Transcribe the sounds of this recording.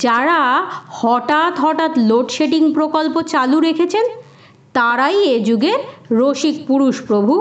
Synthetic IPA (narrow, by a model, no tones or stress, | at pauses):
d͡ʑaɾahɔʈat̪ɦɔʈat̪loʈʃeʈiŋpɾokolpot͡ɕaluɾekʰet͡ɕʰen | t̪aɾajed͡ʑuɡeɾɾoʃik̚puɾuʃpɾobʱu